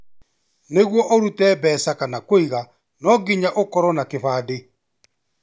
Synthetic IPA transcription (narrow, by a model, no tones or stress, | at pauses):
neɣwɔʔɔɾutɛːbɛːsakanakoiɣa | nɔɡiɲaʔokɔɾɔnakeβaːde